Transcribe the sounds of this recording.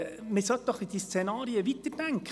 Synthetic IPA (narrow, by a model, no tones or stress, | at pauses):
mɪsœt̪ːɔχid̥̪iːst͡senɑːɾiəʋit̪əɾdæŋkʰ